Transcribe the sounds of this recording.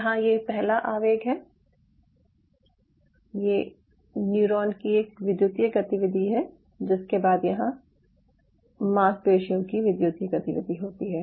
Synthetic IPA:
jɐɦãjepɛɦlaʔaːʋeːɡɦɛː | je | njuːɾɔːnkieːkʋɪd̪juːt̪jəɡɐt̪ɪʋɪd̪ʱiɦɛ | d͡ʒɪskebaːd̪jɐɦã | maːspeːʃijõkiʋɪd̪jut̪jəɡɐt̪ɪʋɪ̰d̪ʱiɦoːt̪iɦɛː

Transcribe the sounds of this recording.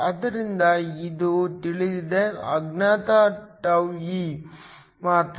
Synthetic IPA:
ɐd̪ɐɾind̪ɐid̪ut̪iɭid̪id̪eɐɡnaːt̪aʈɐʋji | maːt̪

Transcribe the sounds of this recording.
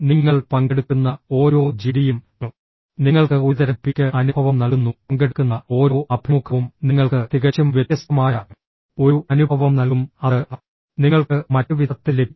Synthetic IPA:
niŋːɐɭpɐŋɡeɽukːunːɐo̞ːɾo̞ːd͡ʑiɾijum | ɐ | niŋːɐɭkɨuðɐɾɐpːikʲːɐʔɐnubʱɐʋɐmnɐɭunːuɐŋɡeɽukːunːɐo̞ːɾo̞ːʔɐbʱjɐmukʰːɐʋumniŋːɐɭkɨt̪iɣɐt͡ɕːɐmʋjet̪jɐst̪ɐmaːjɐ | o̞ɾuʔɐnubʱɐʋɐmnɐlumɐðɨʔ | niŋːɐɭkɨmɐtːɨʋid̪ɐt̪ːile

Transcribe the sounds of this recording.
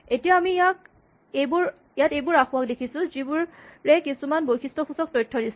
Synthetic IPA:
etijaamijak | ebuɹ | jatejbʊɹaxʊwak̚dekʰisʊ̃zibuɹɹɛkisumanbojxʰistɔkʰusɔk̚tɔjtʰːɔdis

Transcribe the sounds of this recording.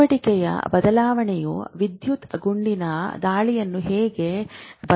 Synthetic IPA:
ɐʈikɛjɐ̰bɐd̪ɐlaːʋɐɳɛjuʋid̪jut̪ɐɡuɳɖinɐd̪aːɭijɐnːuɦeːɡe̞bɐ

